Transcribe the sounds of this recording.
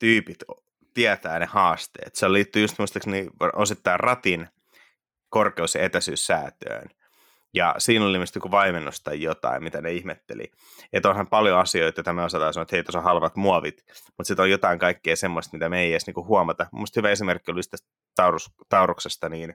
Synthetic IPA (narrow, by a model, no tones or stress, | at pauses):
t̪yːpit̪ | t̪iæt̪æːnehɑːst̪ḛːt̪seoliːt̪ːyjust̪muist̪ːeksniːosit̪ːɑirrɑt̪in | korkeusjɑet̪æsyːsːæːt̪ø̰ːn | jɑ̰siːnolːimest̪ikuʋɑimenːust̪ɑjjot̪ɑ̰immit̪æneihmet̪ːḛlḭ | et̪ːonhɑmpɑljoɑsioit̪ɑjoit̪ɑmeosɑt̪ɑːsɑnoet̪heit̪osohɑlʋɑt̪muɑʋit̪mut̪sit̪ojot̪ɑiŋkɑikːeːsemːoist̪mit̪æmeijesniːkuhuɑmɑt̪ɑmṵmːest̪hyʋæesimerkːiolist̪æs | t̪ɑurust̪ɑuruksest̪ɑniːn